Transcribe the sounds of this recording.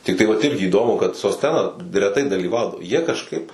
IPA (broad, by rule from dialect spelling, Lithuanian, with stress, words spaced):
tʲɪkˈtɐɪ ʋɐt ˈɪrʲɡʲɪ iːˈdoːmʊ kɐt soːsʲˈtʲæːnɐ rʲɛˈtɐɪ dɐlʲiːˈʋɐʊdɐʋoː jiɛ kɐʃˈkɐɪp